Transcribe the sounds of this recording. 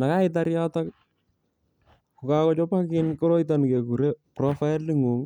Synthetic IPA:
na˨ka˦ɪtaɾjatak | ku˨kakɔ˦t͡ʃɔ˦pa˦kɪnkɔ˦ɾo˦it̬anke˨ku˨ɾeprɔfa˦ɪli˦ŋu˨ŋ

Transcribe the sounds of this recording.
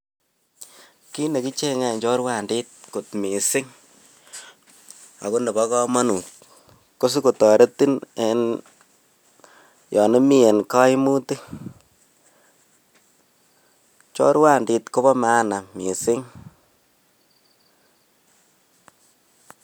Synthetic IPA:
ki˦ne˨ki˦t͡ʃe˦ŋɛ˨ɲt͡ʃɔ˦ɾwa˦˨ndi˦t̚ko˨tmi˨sɪ˦ŋ | a̰˨ko˦ne˨ba˦kɔ˦ma˦nu˨t̚ | ko˦s̬u˦ko˨tɔ˨ɾe˦ti˦ne˦n | jɔ˨ne˦mi˦e˨nka˦i˦mu˦te˦ | t͡ʃɔ̰˦ɾwa˦˨ndi˨tko˦bɔ˦ma˦na˨mi˨sɪ˦ŋ

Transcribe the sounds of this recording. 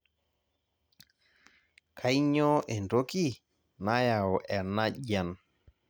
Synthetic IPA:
kʰa˨˦jɲɔ˦ʔe˨ndo˦ki˦ | na˦ja˨ɔ˨ʔɛ˨na˦ʄa˦˨n

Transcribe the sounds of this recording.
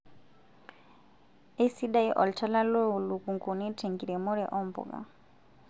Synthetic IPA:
ɛ˦si˦ɗa˦i˦ʔɔ˨lt͡ʃʰa˦la˦lɔ˦u˨lu˨ku˨ŋɡu˨ni˦tʰɛ˨ŋɡi˨ɾɛ˨mɔ˦ɾɛ˨ʔɔ˦mbɔ̰˨ɡa̰˨

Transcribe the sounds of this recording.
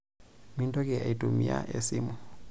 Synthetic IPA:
mi˦ntʼɔ˦k̬ʼɛ˨a˨i˨tʼu˨mi˨a̰˦ʔe˨simu˨

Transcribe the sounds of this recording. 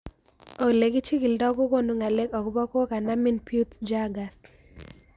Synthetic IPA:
o˨kle˨ɡi˦t͡ʃi˦ki˨ldɔ˦ɡo˦ko˦no˨ŋa˨le˦kɔ˨kbɔ˦ko˦ka˨na˦mi˦npju˦td͡ʒa˦ɡa˨s

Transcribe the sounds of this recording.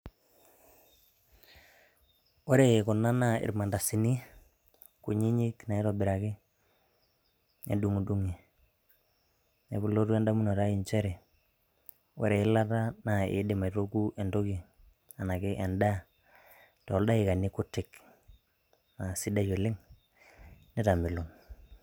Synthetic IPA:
o˦ɾe˨ko˨na˦na˦˨ɪ̰˨ɾma˨nda˨si˨ni˦ | ku˨ɲi˦ɲɪ˦kna˨e˦tɔ˨bɪ˨ɾa˨kɪ˦ | ḛ˨du˦ŋu˨du˦ŋi˨ | e˨βu˨lo˦tu˦ɛ˦nda˦mu˦no˨ɾa˦i˨nt͡ʃɛ˦ɾɛ˨ | wo̰˦ɾe˨ɪ˦la˦ta˦na˨ḛ˨˦de˨ma˨to˦ku˦ʔe˨ndo˦ki˨ | a˨na˨kɪ˦ʔɛ˨nda˦˨ | ta˨ɔ˨lda˦ɪ˨ka˨ni˦kʊ˦tɪ˨k | na˨si˦da˦jo˨lɪ˦ŋ | nɛ˦ta˨mɪ˨lo˨n

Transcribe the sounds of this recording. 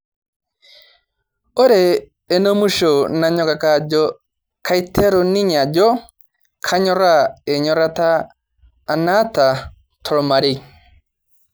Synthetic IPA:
o˦ɾɛː˨ | no˦mu˦ʃo˨na˨ɲɔ˦ka˨ka˦d͡ʒɔ | kʰa˦i˦tʰɛ˦ɾɔ˨ni˦ɲa˨d͡ʒɔ˦ | kʰa˦ɲɔ˦ɾa˦ɛ˨ɲɔ˦ɾa˦taː˦˨ | na˦ta˨ | tʰɔ˨ɾɔ˨ma˨ɾe˦˨

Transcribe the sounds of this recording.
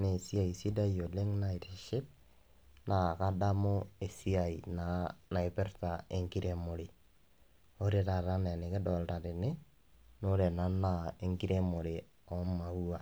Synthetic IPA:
ne˨si˦a˨i˨si˦da˦jo˨le˦ŋna˦i˨teʃɪ˦t̚ | na˨ka˦da˦mo˦e˨si˦a˨i˨na˨na˨ɪ˨pɛ˦rta˨e˦ŋki˦ɾe˦mo˨ɾi˨ | o˦ɾe˦ta˨ɾa˦nɛ˨nɪ˨kɪ˦dɔ˨lta˨tɪ˨nɪ˦ | no˦ɾe˨na˦nːa˦e˦ŋɡi˦ɾe˦mo˨ɾɪ˨ | ɔ˦ma˨u˦a˨

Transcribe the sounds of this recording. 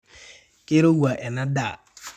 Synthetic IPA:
ke˦ɾo˦wu˨a˨ʔɛ˨nã˦daː˦˨

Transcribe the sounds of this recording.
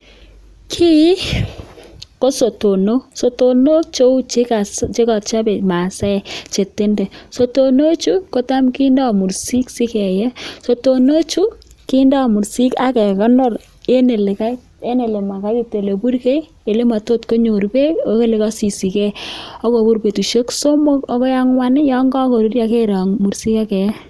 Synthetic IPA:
kʰi˦ | ko˦so˨to˨no˦so˨to˨no˦t͡ʃo˦u˦t͡ʃe˦ka˨st͡ʃe˦ka˨t͡ʃa˦be˨ma˨sɛ˦˨t͡ʃe˨te˦ndɛ˨so˨to˨no˦t͡ʃu˦ko˦ta˦mkɪ˦nda˦˨mu˨rsi˦ksɪ˦kɛ˨jɛ˦so˨to˨no˦t͡ʃu˦ki˦nda˦˨mu˨ɾsi˦ka˦kɛ˨kɔ˦nɔ˦r | e˦ne˨le˨ka˦ | e˦ne˨le˨ma˨ka˦ki˦te˨le˨bu˦ɾke˦ | e˨le˦ma˨to˦tko˦ɲo˨rbe˦o˨ke˦le˦kɔ˦si˨si˨kɛ˦ɔ˦ko˨bu˦ɾpe˨tu˨ʃo˦kso˦mo˦kɔ˦kɔ˦ja˦ŋwa˦nɪ˦jɔ˦ŋɡɔ˦ko˨ɾi˦ɾja˦ke˦ɾa˨ŋmu˨ɾsi˦ka˦kɛ˨˦

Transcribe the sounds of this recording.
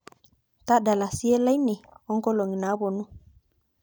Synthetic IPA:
ta˦da˨la˨si˦e˦la˦jni˨ɔ˦ŋko˦lo˨ŋi˨na˨˦bo˨nu˦

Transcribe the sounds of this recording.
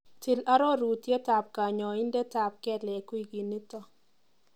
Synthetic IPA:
tʰɪ˨la˦ɾɔ˦ɾu˨tje˦ta˨p̚ka˨ɲɔ˨ɪ˦nde˦ta˨p̚kɛ˦lɛ˨kwi˨ɡi˨nːi˦tɔ˨

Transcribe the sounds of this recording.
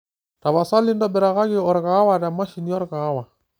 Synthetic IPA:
ta˨βa˨sa˦li˦ndɔ˦bɛ˨ɾa˨ɣa˦ɣɪɔ˨ɾɣa˨˦wa˨ɾa˨ma˦ʃi˨ni˦ɔ˦ɾɣa˨˦wa˨

